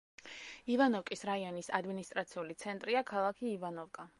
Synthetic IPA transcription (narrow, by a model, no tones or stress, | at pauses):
ivanɔvkʼisɾaiɔnisad̪minist̪ʼɾat̪sʰiulit̪sʰɛnt̪ʼɾiakʰalˠakʰiːvanɔvkʼa